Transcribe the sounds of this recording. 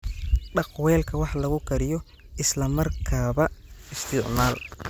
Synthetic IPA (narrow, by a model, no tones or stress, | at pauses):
ɖɑqwɛːlkʰɐwɑħlɐɣʊkʰɐɾɪjɔ | ɪslɐmɐrkʰaːβɐɪst̪ʰɪʕmaːl